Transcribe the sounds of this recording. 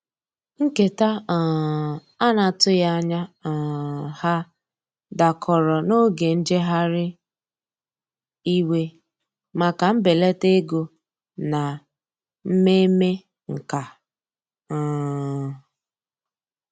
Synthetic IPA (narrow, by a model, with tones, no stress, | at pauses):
ŋ̩˦ke˨ta˦˨ | a˦na˨tʊ˦ja˦ɲa˦˨ | ha˦ | da˨kʰɔ˨ɾɔ˨no˦ɡe˨n̩˦d͡ʒe˦ɦa˦ɾɪ˦ | i˦we˦ | ma˨ka˨m̩˦be˨le˦te˦ɡo˨ | na˨ | m̩˦me˦me˦ | ŋ̩˨ka˨